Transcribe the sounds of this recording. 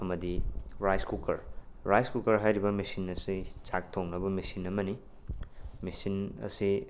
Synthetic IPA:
ɐmɐdiɾajskukɐɾɾajskukɐɾɦajɾibɐmisinɐsit͡ʃak̚tʰoŋnɐbɐmisinɐmɐni | misinɐ̰si

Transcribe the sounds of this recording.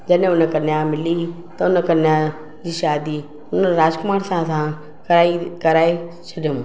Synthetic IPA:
d͡ʒɐɗẽʊnəkɐɾnjamɪli | t̪ɐʊnəkɐɾnja | d͡ʑiːʃaːd̪i | ʊnəɾaːd͡ʒkʊmaːɽsãsã | kɐaːikɐɾaːet͡ʃʰɐɗʊm

